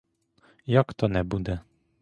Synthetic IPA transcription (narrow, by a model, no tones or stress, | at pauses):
jakt̪ɔnɛbud̪ɛ